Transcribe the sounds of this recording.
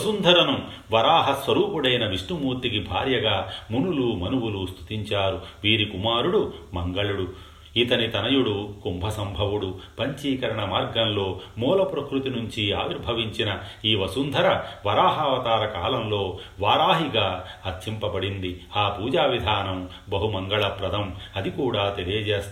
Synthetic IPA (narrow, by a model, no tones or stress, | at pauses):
ʋɐsund̪ʱɐɾɐnu | ʋɐɾaːɦɐsʋɐɾuːpuɽɐjnɐʋiʂʈumuːɾt̪ikibʱaːɾjɐɡaːmunuluːmɐnuwulust̪ʰu̥t̪iɲt͡ʃaːɾuʋiːɾikumaːɾuɽumɐŋɡɐɭuɽu | it̪ɐnit̪ɐnɐjuɽukumbʱɐsɐmbʱɐʋuɽupɐɲt͡ʃiːkɐɾɐɳɐmaːɾɡɐmlo̞ːmɔːlɐpɾɐkɾut̪inuɲt͡ʃiaːʋiɾbʱɐʋiɲt͡ʃinɐiːʋɐsund̪ʱɐɾɐʋɐɾaːɦaːʋɐt̪aːɾɐkaːlɐmlo̞ː | ʋaːɾaːɦiɡaːɐt͡ʃimpɐbɐɽind̪iaːpuːd͡ʒaːʋid̪ʱaːnɐm | bɐɦumɐŋɡɐɭɐpɾɐd̪ʱɐmɐd̪ikuːɽaːt̪e̞lijɐd͡ʒeːst̪